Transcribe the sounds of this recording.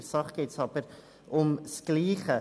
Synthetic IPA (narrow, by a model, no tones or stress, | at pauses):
ɾsɑχɡ̥eːtsɑb̥əɾ | ʔʊmsɡ̥liːχə